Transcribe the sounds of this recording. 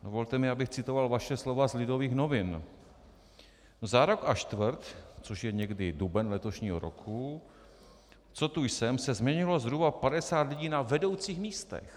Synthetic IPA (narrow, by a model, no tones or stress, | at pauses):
dovo̞lt̪ɛmɪabɪxt͡sɪt̪o̞valvaʃɛslo̞vazlɪdo̞viːxno̞vɪn | zaɾo̞kaʃt̪vəɾt̪t͡so̞ʃjɛɲɛɡdɪdubɛnlɛt̪o̞ʃɲiːɦo̰ɾo̞̰kʰu | t͡so̞t̪ujsɛmsɛzmɲɛɲɪlo̞zɦɾubapadɛsaːt̪lɪɟiːnavɛdo̞wt͡siːxmiːst̪ɛ̰x